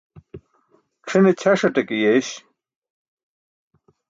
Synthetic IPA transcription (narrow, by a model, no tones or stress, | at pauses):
kʂʰinet͡ɕʰɐʂɐʈekijeɕ